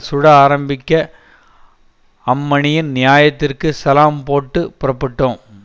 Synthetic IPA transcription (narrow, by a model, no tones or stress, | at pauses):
sʊɽɐaːɾɐmbɪkʲːɐ | ɐmːɐɳɪjɪnnɪjaːjɐt̪ːɪrkɯsɐlaːmpoːʈːɯpʊɾɐpːɪʈːõː